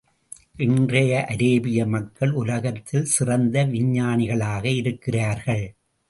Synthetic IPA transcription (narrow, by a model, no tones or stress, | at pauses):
ʔɪndrɐjɐʔɐɾeːbɪjɐmɐkːɐɭʊlɐɣɐt̪ːɪlsɪrɐnd̪ɐʋɪɲːaːnɪɣɐɭaːɣɐɪɾɯkːɪraːɾɣɐɭ